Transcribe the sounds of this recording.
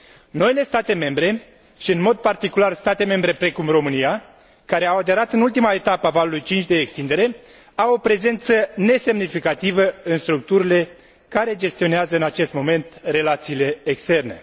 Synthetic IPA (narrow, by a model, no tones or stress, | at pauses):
no̞ile̞st̪at̪e̞me̞mbɾe̞ | ʃiɨnmo̞d̪̚part̪ikularst̪at̪e̞me̞mbɾe̞pɾe̞kumro̞mɨnija | kaɾe̞awad̪e̞ɾat̪ɨnult̪imaet̪apəavalulujt͡ʃint͡ʃd̪e̞ːkst̪ind̪e̞ɾe̞ | awo̞pɾe̞ze̞nt̪səne̞se̞mnifikat̪ivəɨnst̪ɾuk̚t̪uɾile̞ | kaɾe̞d͡ʒe̞st̪io̞neazəɨnat͡ʃe̞st̪mo̞me̞nt̪re̞lat̪siːle̞ːkst̪e̞rne̞̰